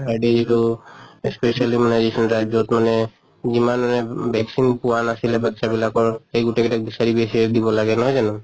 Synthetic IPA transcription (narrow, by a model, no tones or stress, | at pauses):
ajɖed͡ʒiʈuespesalimanad͡ʒesɔnʈajbd͡ʒot̪mane | d͡ʒimanmanɛbɛksinpuwanasilebakt͡ʃabilakɔɹejɡuʈeɡɛʈak̚bisaɾibesied̪ibɔlaɡɛnɔɦɔjd͡ʒanu